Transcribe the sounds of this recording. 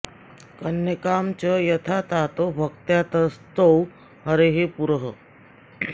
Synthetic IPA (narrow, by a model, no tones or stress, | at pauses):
kɐnjəkaːmt͡ʃɐjɐt̪ʰaːt̪aːt̪obʱɐk̚t̪jaːt̪ɐst̪ow | ɦɐɾeɦepuɾəɦə